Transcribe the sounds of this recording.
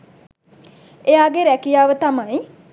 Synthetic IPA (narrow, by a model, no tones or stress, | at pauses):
eaːɡeɾækijaːʋət̪amaj